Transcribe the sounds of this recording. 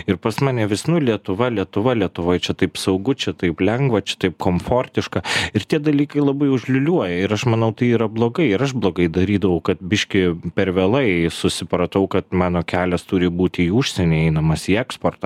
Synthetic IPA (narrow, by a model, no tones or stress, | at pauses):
ɪɾpɐsmɑːnʲɛʋʲɪsnʊlʲiɛt̪ʊʋɐlʲiɛt̪ʊʋɐlʲiɛt̪ʊʋoːjt͡ʃʲɛt̪ɐɪpsɐʊɡʊt͡ʃʲɛt̪ɐɪplʲɛŋɡʋɐt͡ʃʲɛ̥t̪ɐɪp̚koːmfoːrʲt̪ʲɪʃkɐɪɾt̪ʲiɛd̪ɐlʲiːkɐɪlˠɐbɐɪʊʒʲlʲʊlʲuɔjɛɪɾɐʃmɐnɐʊt̪ɐɪiːɾɐblˠoːɡɐɪɪɾɐʃblˠoːɡɐɪd̪ɐɾʲiːd̪ɐʋɐʊkɐt̪̚bʲɪʃʲkʲɪpʲɛɾʋʲɛlˠɐɪsʊsʲɪpɾɐt̪ɐʊkɐt̪mɑːnoːkʲæːlʲɛst̪ʊɾʲɪbuːt̪ʲɪiːuːʃʲsʲɛnʲɛɪɛɪnɐmɐsiːɛkspoːrt̪ɐ